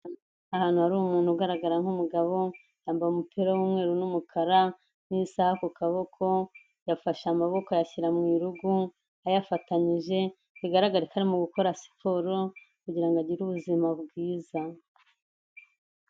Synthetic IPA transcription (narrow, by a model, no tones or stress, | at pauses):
ahaːn̥uhaɾuːmuːn̥huɡaɾaɡaɾaŋhumuɡaβo̞ | jaːmbajumupiːɾawuːmŋe̞ːɾunumukʰaɾa | n̥isahakukaβo̞kʰo̞ | jafaʃamaβo̞kojaçiɾamŋiːɾuɡu | ajafataɲiʒe̞ | kiɡaɾaɡaɾikʰaɾimuɡuko̞ɾasi̥pʰoːɾo | kuɟiɾaŋɡaɟiɾuβuzimabɡiːza